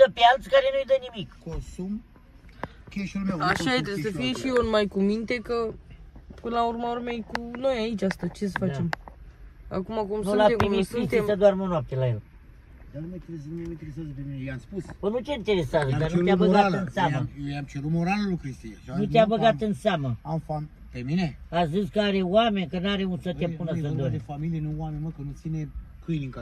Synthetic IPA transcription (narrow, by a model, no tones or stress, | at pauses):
d̪əpealt̪skaɾe̞nujd̪ənimikkonsum | keʃulmewaʃajat̪ɾesəfijeʃionmajkumint̪e̞kə | pɨnlaurmaormejkuno̞jait͡ʃʲast̪at͡ʃe̞s̬əfat͡ʃe̞m | a̰kumakumsvlaiesisimsəd̪oarmonowap̚t̪elajel | d̪anumet̪eesnumeint̪eɾesazəpemineaspusbənut̪eint̪eɾeseazəanueabəɡat̪ɨnsaməamt͡ʃeɾut̪moɾaləlukɾist̪ijaʃnut̪eabəɡat̪ɨnseaməafan | pemineaziskəaɾewame̞nʲkənaɾeunsət̪epunəzənd̪oɾʲefamilijenuwamenʲməkənut̪sinekɨjniŋka